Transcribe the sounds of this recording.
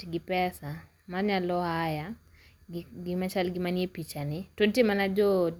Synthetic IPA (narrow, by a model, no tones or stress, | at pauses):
iɡipɛsa | maɲalɔɦaja | ɡimat͡ʃaliɡimaniɛpit͡ʃanituntiemanad͡ʒɔ